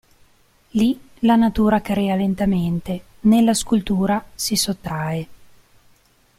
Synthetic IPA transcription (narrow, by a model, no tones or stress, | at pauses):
li | lanat̪uːɾakaɾeːalent̪ament̪e | nelːaskult̪uːɾasisot̪ːɾae